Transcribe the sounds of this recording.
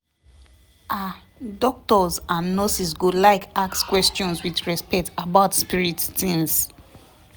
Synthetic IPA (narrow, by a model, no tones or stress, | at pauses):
ʔa | dɔk̚tɔzãnːɔsisɡulaɪkakskwɛstɔ̃nswiðɹɛspɛk̚tabaʊtspiɹitθĩŋs